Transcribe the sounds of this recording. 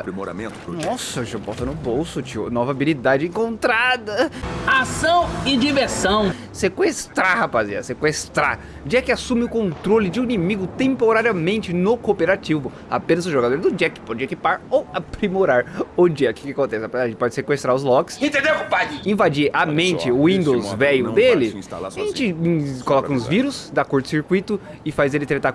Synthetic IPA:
pɾimo̰ɾa̰mẽnt̪ʊ̥nɔsɐʒabɔt̪ɐnʊbowsʊt͡ʃiʊ̰nɔvɐabilid̪ad͡ʒɪẽŋkõnt̪ɾad̪ɐasɐ̃w̃ɪd͡ʒiveɾsɐ̃w̃ | sekwest̪ɾahapazḭɐ̰sekwest̪ɾa̰ | d͡ʒiɐkɪasũmɪʊkõnt̪ɾolɪd͡ʒɪũinimiɡʊt̪ẽmpoɾaɾjɐmẽnt͡ʃɪnʊkopeɾat͡ʃivʊ | a̰pẽnɐzʊʒoɡad̪oɾd̪ʊd͡ʒiɐkɪ̥pɔd͡ʒɪekipaɾowapɾimoɾaɾʊd͡ʒiɐkɪ̥kɪakõnt̪ɛsɪapezad͡ʒpɔd͡ʒɪsekwest̪ɾaɾʊzlɔkɪ̥sĩt̪ẽnd̪ewkupad͡ʒĩvad͡ʒiʔamẽnt͡ʃɪʊĩnd̪owzvɛjʊd̪elɪ̃st̪a̰la̰aʒẽt͡ʃɪ̃kolɔkɐ̃ʊzviɾʊsd̪akoɾt̪ʊ̥siɾkwit̪ʊɪfajzelɪt̪ɾet̪a

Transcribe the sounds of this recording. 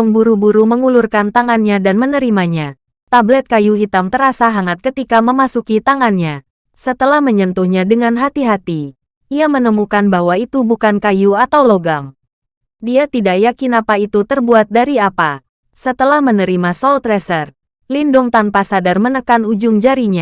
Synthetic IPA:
ɔŋbuɾubuɾuməŋulurkant̪aŋanɲadanmənəɾimaɲa | t̪ablɛt̪̚kajuɦit̪amt̪əɾasaɦaŋat̪̚kət̪ikaməmasukit̪aŋanɲa | sət̪əlahməɲənt̪uhɲadəŋanɦat̪iɦat̪i | ʔiamənəmukanbahwait̪ubukankajuat̪awloɡam | diat̪idaʔjakinapait̪ut̪ərbuat̪̚daɾiapa | sət̪əlahmənəɾimasɔlt̪ɾɛsər | lindʊŋt̪anpasadarmənəkanud͡ʒʊŋd͡ʒaɾiɲa

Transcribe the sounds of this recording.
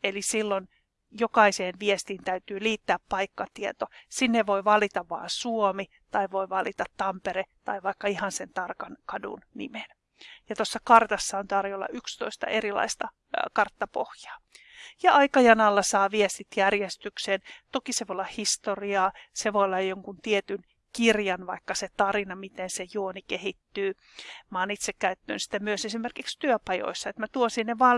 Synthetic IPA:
elisilːon | jokɑiseːnʋiest̪iːnt̪æyt̪yːliːt̪ːæːppɑikːɑt̪iet̪osinːeʋʋoiʋɑlit̪ɑʋʋːɑ̰ːsuomi | t̪ɑiʋoiʋɑlit̪ɑt̪tɑmpeɾet̪ɑiʋɑikːɑihɑnsent̪ɑrkɑnkɑdṵnnḭmen | jɑt̪osːɑkɑrt̪ɑsːɑont̪ɑriolːɑ̰ʔykst̪oist̪ɑ̰ʔeɾilɑ̰ist̪ɑ | kɑrt̪ːɑpo̰hjɑ̥ː | jɑɑikɑjɑnɑlːɑsɑːʋiest̪it̪jærjest̪yksent̪okiseʋolːɑhist̪oriɑːseʋoilːɑjjoŋkunt̪iet̪yn | kirjɑnʋɑikːɑset̪ɑrinɑmit̪ensejuonikehit̪ːyː | mɑːnit̪sekkæyt̪ːø̰ːnsi̥t̪æmyøsesimerkikst̪yøpɑjo̰isːɑet̪mæt̪uosinneʋɑː

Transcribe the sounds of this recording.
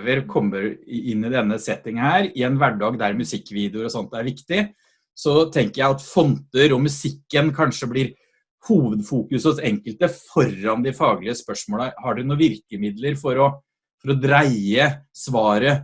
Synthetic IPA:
ʋəɾkʰɔmːəɾɪnːɪd̪ɛnːəsɛt̪ːɪŋhæːɾɪɛnʋæɖɑːɡd̪æɾmʉsɪkːʋiːd̪ɛʊɾɔsɔnt̪æɾʋɪkt̪ɪ | sɔt̪ʰɛŋkəɾjæɪɑt̪fɔnt̪əɾɔmʉsɪkːənkʰɑnʂəblɪɾ | huːʋəd̪fuːkʉsəsɛŋkəlt̪əfɔɾːɑnd̪ɪfɑːɡlɪəspœʂmoːləhɑɖʉnuːʋɪɾkəmɪd̪ləɾfɔɾɔ | fɔɾɔd̪ɾæɪəsʋɑːɾə

